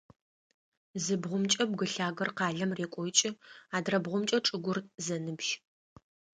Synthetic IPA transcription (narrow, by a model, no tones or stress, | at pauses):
zɨbʁʷʊmt͡ʃʼɐb̚ɡɨɬaːɡɐrqɑːɮɐmreːkʷʼɔt͡ʃʼɪaːdrɐbʁʷʊmt͡ʃʼɐʈ͡ʂʼɨɡʷʊrzɐnɨbʃ